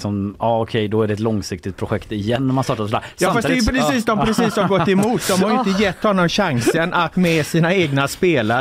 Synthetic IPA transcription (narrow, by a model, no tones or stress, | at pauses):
sɔmɑːɔkʰɛjd̪ɔæɖɛt̪lɔŋsɪk̚t̪ɪt̪pʰɾʊɧɛkt̪ɪjɛnːæmanst̪ɑːʈasɔd̪æːɾjɑːfasd̪jpɾɪsiːsd̪ɔmpɾɪsiːsaɾɡɔt̪ːɛmuːt̪̚d̪ɔmhaɾjʏɪt̪əjɛt̪ːhɔnːɔmɕaŋsənʔat̪mɛsiːnaeːɡnaspeːla